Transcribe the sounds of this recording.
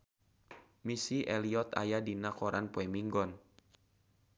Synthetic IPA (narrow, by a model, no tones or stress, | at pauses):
misiʔɛliɔt̪a̰jadinakɔɾanpɔɛmiŋɡɔn